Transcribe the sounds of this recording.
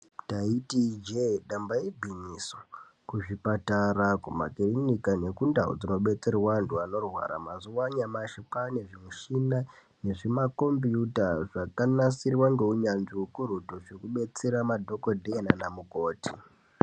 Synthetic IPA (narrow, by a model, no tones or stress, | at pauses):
taitid͡ʒeɗambaibʱiɲiso | kuʐipatarakuma̰kerinikane̞kundaṵd͡zino̞ɓe̞t͡se̞rwantuano̞rwa̰ɾa̰mazuwaɲamaʃipane̞ʐimuʃina | ne̞ʐimako̞mbijutaʐakanasirwaŋɡe̞uɲanʐiukurutoʐekuɓe̞t͡seɾamadʱo̞kodʱeenanamuko̞ːti